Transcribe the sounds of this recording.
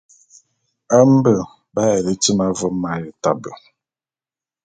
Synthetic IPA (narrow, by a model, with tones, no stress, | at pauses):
a˦m̩˦bə˨ | ba˦e˨ɾe˦ti˦ma˦vɔ˨m̩˦ma˨jɪ˨ta˨bə˨